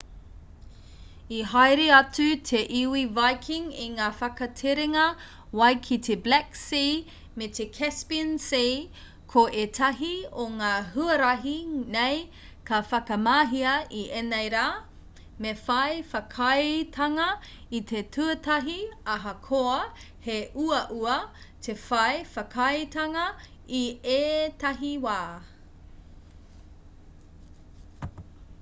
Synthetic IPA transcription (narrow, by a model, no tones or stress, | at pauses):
iɦajɾeɐt͡sutʰeʔiwivajkʰiŋiŋaːfɐkɐtʰeɾeŋɐ | wɐjkʰitʰeblæksi | met̪ʰekʰɛspiənsi | kʰoʔetʰɐɦioŋaːɦuɐɾɐɦinej | kʰɐfɐkɐmaːɦiɐiʔenejɾaː | mefɐjfɐkʰɐjtʰɐŋɐ | it̪ʰetʰuɐtɐɦiɐɦɐkʰoɐ | heʔuɐʔuɐ | tʰefɐjfɐkʰɐjtɐŋɐ | ieːt̪ɐɦiwaː